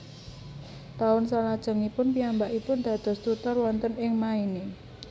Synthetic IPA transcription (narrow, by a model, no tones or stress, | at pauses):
t̪aʊnsalad̥ʒ̥ə̤ŋipʊnpiambaʔipʊnd̪̥ä̤d̪̥ɔ̤st̪ut̪ɔrwɔnt̪ənɪŋmaine